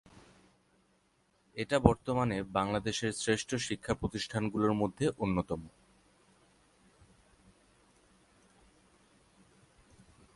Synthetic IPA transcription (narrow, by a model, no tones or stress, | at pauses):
eʈabɔɾt̪omanebaŋlad̪eʃeɾsɾeʃʈʰoʃikʰːapɾot̪iʃʈʰanɡuloɾmod̪ʱːeʔonːot̪ɔmo